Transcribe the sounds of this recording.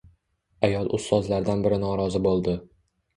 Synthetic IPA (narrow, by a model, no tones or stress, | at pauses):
ajɒlˠʔʊst̪ɒzlaɾd̪anbɪɾɪnɒɾɒzɪbolˠd̪ɪ